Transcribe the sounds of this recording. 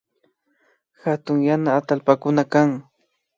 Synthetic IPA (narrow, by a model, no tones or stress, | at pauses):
xat̪ʊŋjanaːt̪alpakʊnakaŋ